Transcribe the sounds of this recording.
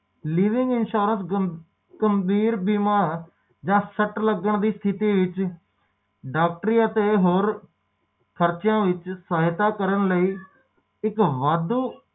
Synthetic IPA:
liːʋɪ̃ŋɡɪnʃuːɾəns | ɡəmbiːɾbiːmãː | d͡ʒãːsəʈləɡəɳd̪iːst̪ʰɪt̪iːʋɪt͡ʃ | ɖaːk̚ʈəɾiːət̪eːɦoːɾ | kʰəɾt͡ʃjãːʋɪt͡ʃsaːɦɪt̪aːkəɾəɳləiː | ɪkʋaːd̪uː

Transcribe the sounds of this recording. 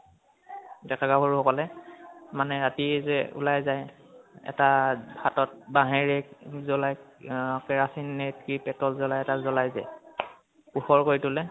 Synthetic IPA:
dɛkaɡabʱɔɹuɦɔkɔlɛmanɛɹatizɛṵlajzaj | ɛ̰tabʱatɔt̚baɦeɹɛzɔlajkɛɹasinːetkipɛtɔlzɔlajɛtazɔlajzɛ̰ | kuxɔɹkoɹitʊlɛ

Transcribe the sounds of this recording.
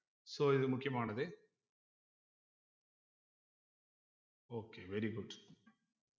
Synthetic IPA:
soːiðɨmukʰːjɐmaːɳɐðɨ | oːkːeʋeɾiɡuɖ

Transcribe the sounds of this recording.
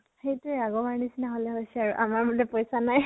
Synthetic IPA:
xejtuɛaɡɔbaɹnisinaɦolɛɦojsɛaɹuʔamaɹbudɛpojsanaj

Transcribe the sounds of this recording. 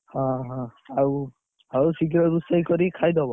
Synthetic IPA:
hɔ̃ɦɔ̃au | ausiɡiɾɔbusajkɔɾikʰajd̪ɔbɔ

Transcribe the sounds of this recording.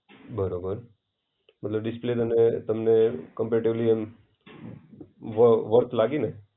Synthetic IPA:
bʱəɾobəɾ | mət̪ləbɖɪsplet̪ənet̪əmnekəmpeʈibliem | ʋəʋəɾt̪ʰlaɡine

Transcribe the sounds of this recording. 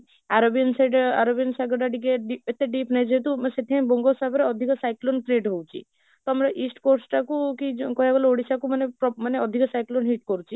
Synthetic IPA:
aɾobijənsaɖaɾobijənsaɡɔɖaɖikeɖiet̪eɖipnajd͡ʒet̪useʈʰiãj̃bɔŋɡosabɾeɔd̪ʱikɔsajklont̪ɾeʈɦowt͡ʃʰḭ | t̪ɔamɾaʔisʈkoɾsʈakukikɔɦiaɡɔlɔoɽisakumanepɔmaneɔd̪ʱikɔsajklonɦiʈkɔɾut͡ʃʰi

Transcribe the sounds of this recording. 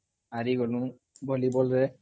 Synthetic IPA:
aɹiɡɔlũ | bɔlibɔlɾɛ

